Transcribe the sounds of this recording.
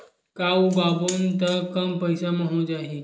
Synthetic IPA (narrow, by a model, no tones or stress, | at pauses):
kaubabont̪əkəmpəjsaməɦod͡ʒaɦe